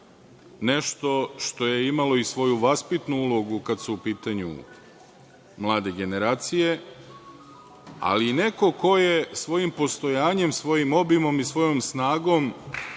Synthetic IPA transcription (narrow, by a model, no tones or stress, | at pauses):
ne̞ʃt̪o̞ʃt̪o̞jeimalo̞isʋo̞juʋaspit̪nuulˠo̞ɡukad̪suːpiːt̪aɲṵ | mlˠaːd̪e̞ɡe̞ne̞ɾaːt̪sije̞ | a̰liːne̞ko̞ko̞je̞sʋo̞jimpo̞st̪o̞jaːɲe̞msʋo̞jimo̞bimo̞misʋo̞jo̞msnaːɡo̞m